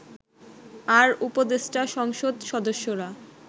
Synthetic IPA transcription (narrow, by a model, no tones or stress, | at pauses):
aɾupod̪esʈaʃɔŋʃod̪ʃɔd̪oʃːoɾa